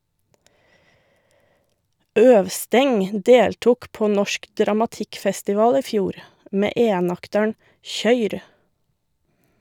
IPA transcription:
ˈœʋˌstɛŋ ˈdeːltʊk ˈpoː ˈnɔʃk dɾɑmɑˈtɪkfɛstɪˌʋɑːl ˈiː ˈfjuːɾ ˈmeː ˈʔeːnɑktəɳ ˈçœʏɾ

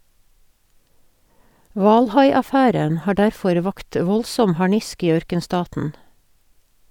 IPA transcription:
ˈʋɑːlˌhɑɪɑˌfæːɾən ˈhɑː ˈɖæɾˌfɔɾ ˈʋɑkt ˈʋɔlsɔm hɑˈɳɪsk ˈiː ˈœɾkənˌstɑːtn̩

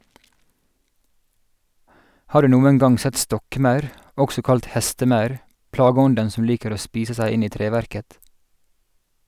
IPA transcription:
ˈhɑː ˈɖʉː ˈnuːəŋ ˈɡɑŋ ˈsɛt ˈstɔkˌmɑʉɾ ˈʔɔksɔ ˈkɑlt ˈhɛstəˌmɑʉɾ ˈplɑːɡəˌɔndən ˈsɔm ˈliːkəɾ ˈoː ˈspiːsə ˈsæɪ ˈɪn ˈiː ˈtɾeːʋæɾkət

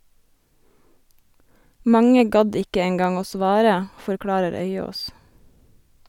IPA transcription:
ˈmɑŋə ˈɡɑd ˈɪkə ˈeːŋɡɑŋ ˈoː ˈsʋɑːɾə fɔɾˈkɽɑːɾəɾ ˈœʏoːs

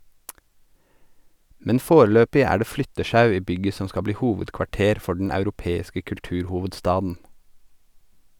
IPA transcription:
ˈmɛn ˈfoːɾl̩ˌøːpɪ ˈæː ˈɖeː ˈflʏtəˌʃɑʉ ˈiː ˈbʏɡə ˈsɔ ˈskɑ ˈbliː ˈhuːʋədkʋɑˌʈeːɾ ˈfɔ ɖɳ̩ ɑʉɾʊˈpeːɪskə kʉlˈtʉːɾhʊʋədˌstɑːdn̩

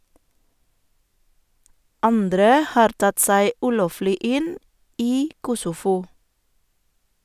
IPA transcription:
ˈɑndɾə ˈhɑːɾ ˈtɑt ˈsæɪ ˈʉːˌloːflɪ ˈɪn ˈiː ˈkʊsʊˌfuː

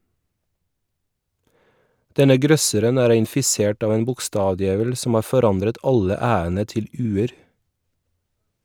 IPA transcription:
ˈdɛnə ˈɡɾœsəɾən ˈæːɾ ɪnfɪˈseːʈ ˈɑːʋ ˈeːn bʊkˈstɑːʋˌdjeːʋəl sm̩ ˈɑː fɔˈɾɑndɾət ˈɑlə ˈæːənə ˈtɪl ˈʉːəɾ

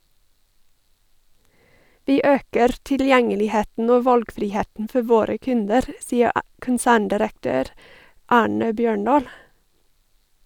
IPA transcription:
ˈʋiː ˈøːkəɾ tɪlˈjɛŋəlɪˌheːtn̩ ˈoː ˈʋɑlɡfɾɪˌheːən̩ ˈfɔ ˈʋoːɾə ˈkʉndəɾ ˈsiːə ə kənˈsæːɳdɪɾəkˌtøːɾ ˈɑːɳə ˈbjøːˌɳɑːl

